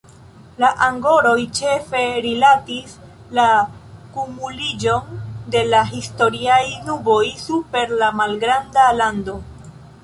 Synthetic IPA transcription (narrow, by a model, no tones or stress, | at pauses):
laʔaŋɡo̞ɾo̞jt͡ʃe̞fe̞ɾilatis | lakumulid͡ʒo̞nde̞laɦisto̞ɾiajnubo̞jsupe̞ɾlamalɡɾandalando̞